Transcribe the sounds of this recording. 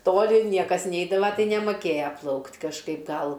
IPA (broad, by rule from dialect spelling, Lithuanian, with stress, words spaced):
ˈtoːlʲɪ ˈnʲiɛkɐs ˈnʲɛɪdɐʋɐ tɐɪ nʲɛmoːˈkʲeːjɛ ˈplˠɐʊktʲ kɐʃˈkɐɪp ˈɡɐlˠ